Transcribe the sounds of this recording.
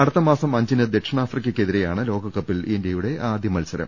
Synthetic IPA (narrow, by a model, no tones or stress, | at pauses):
ɐɽɐt̪ːɐmaːsɐmɐɲd͡ʑinɨd̪e̞kʂɐɳaːfrikʲːɐkʲːe̞ðiɾejaːɳɨlo̞ːɡɐkːɐpːilendejuɽe̞ʔaːd̪ʱjɐmɐlsɐɾɐ̰m